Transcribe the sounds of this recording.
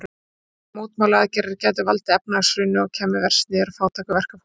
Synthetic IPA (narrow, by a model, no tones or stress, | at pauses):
muːt̪maːwlaðɪcɛɾɪɾcɛːjt̪̬ʏvalt̪ɪɛp̚naasɾʏnʏɔɣcʰɛːmɪvɛr̥st̪nɪɛɾafaːwt̪ʰaːkavɛr̥ka